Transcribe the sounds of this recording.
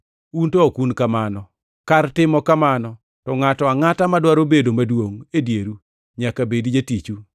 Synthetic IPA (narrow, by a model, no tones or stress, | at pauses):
untɔokunkamanɔ | kartɪmɔkamanɔ | tɔŋatɔaŋatamadwaɾobedomadwoŋedjeɾu | ɲakabedid͡ʒetit͡ʃu